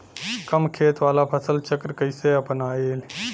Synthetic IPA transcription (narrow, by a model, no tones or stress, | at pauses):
kəmkʰet̪ʋalapʰəsəlt͡ʃəkɾkəjseəpənael